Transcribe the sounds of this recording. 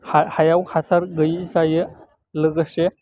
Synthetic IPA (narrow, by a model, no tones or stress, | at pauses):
hahajawhat͡sʰaɾɡəjit͡sajə | ləɡəɕe